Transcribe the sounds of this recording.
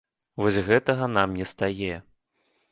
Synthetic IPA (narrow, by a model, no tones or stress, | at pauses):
vɔsʲɣɛt̪ɐɣɐnamnʲɛst̪ajɛ